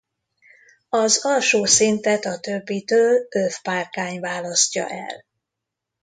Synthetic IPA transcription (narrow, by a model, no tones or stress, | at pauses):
ɒzɒlʃoːsint̪ɛt̪ɒt̪øbːit̪øːløfparkaːɲvaːlɒscɒ̰ʔɛ̰l